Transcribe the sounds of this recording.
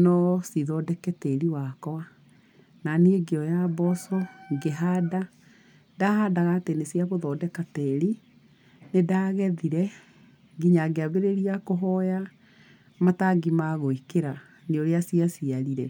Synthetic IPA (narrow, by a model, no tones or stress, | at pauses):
nɔsiðɔdɛkɛteɾiwakɔa | naneeɡeɔjabɔsɔɡeɦada | daɦadaɣaːtenesiaɣoðɔdɛkatɛɾi | nedaːɣɛðiɾɛ | ɡiɲaɡeaβeɾeɾiakoɦɔja | mataɡimaɣoikeɾa | neoɾeasiasiaɾiɾɛ